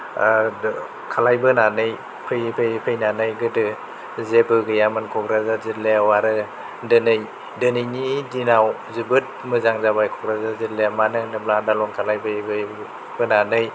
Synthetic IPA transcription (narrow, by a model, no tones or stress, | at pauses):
kʰalajbɯnanɯj | pʰɯjpʰɯjpʰɯjnanɯjɡɯdɯ | zebɯɡɯjamɯnkʰɔɡɾazazitleawaɾɯ | dɯnɯj | dɯnɯjnidinaw | zibɯt̚mɯzaŋzabajkʰɔɡɾazazitlemanɯnɯbladalɔŋkʰalajbɯb | b̥ɯnanɯj